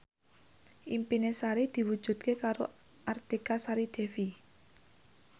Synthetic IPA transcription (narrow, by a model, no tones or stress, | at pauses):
ʔimpinesaɾid̪̥i̤wud̥ʒ̥ṳd̪̚kekaɾo̰ | ʔart̪ikasaɾid̪̥ɛ̤fi